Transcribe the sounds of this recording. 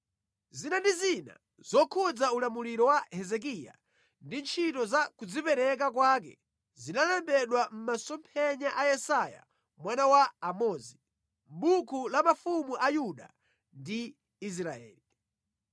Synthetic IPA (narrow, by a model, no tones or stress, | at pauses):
zinandizina̰ | z̥ɔkʰud͡zaulamuliɾɔwahɛzɛk̬iːja̰ | ndint͡ʃʰitɔzakud͡zipɛɾɛk̬ak̬wakɛ̰ | zinalɛmbɛɗwam̩masɔmpʰɛɲaʔajɛsaja̰ | mwanawaːmɔzi | m̩ɓukulamafumuʔajuɗa | ndiː | s̬ɾaɛ̰ːli